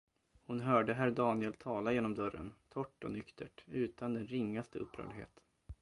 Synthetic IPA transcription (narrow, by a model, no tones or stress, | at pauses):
hʊnɦœːɖəɦæɾdɑːnɪɛlt̪ʰɑːlajeːnɔmd̪œɾːə̰nt̪ʰɔʈːɔ̰nʏkt̪ʰəʈʉ̟ːt̪ʰand̪ɛnɾɪŋːast̪əɵpːɾœ̰ːɭɪɡhḛːt̪